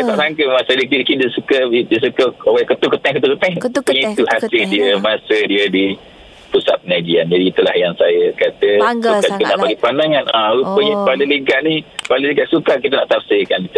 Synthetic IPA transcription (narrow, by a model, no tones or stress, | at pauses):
abaʔɾaŋkəmasədiəkikidəsukədis̬ukəowakət̪ukət̪ɛŋkət̪ukət̪ɛŋpuɲait̪uhasəldiəmasədiədi | pusat̪̚pənaɡiand͡ʒadiit̪ulahjaŋsajakat̪əuakənaʔbaɡipanaŋanʔaɾupəjapaləliɡaʔnipaluliɡaʔsukak̬it̪ənaʔt̪afsikankit̪u